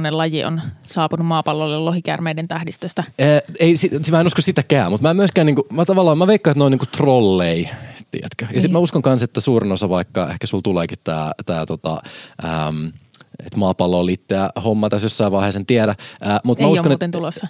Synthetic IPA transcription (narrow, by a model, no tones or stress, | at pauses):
nelɑjiʔo̰nsɑːpunummɑːpɑlːolellohikæ̰rmeident̪æhdist̪øst̪ɑəːeisismæenuskossit̪ækæːmmut̪mæːmyøskæːniːŋkumæt̪ɑʋɑlːɑːmæʋeikːɑiet̪noiniːŋkut̪rolːeit̪ḭæ̰t̪køjɑsit̪mæuskoŋkɑnset̪ːæsuːrinosɑʋɑikːɑḛhkæsult̪uleːkit̪tæ̰ːt̪æ̰ːt̪ot̪ɑ̰ʔə̰mḛt̪mɑːpɑlːoliːt̪ːææhomːɑt̪æsjosːɑiʋɑˑiheːsent̪iæɾæʔəːmut̪mæuskont̪ent̪ulosːɑ